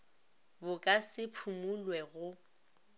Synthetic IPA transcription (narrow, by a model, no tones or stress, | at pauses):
bʊkʼasɪpʰumulwɛɣʊ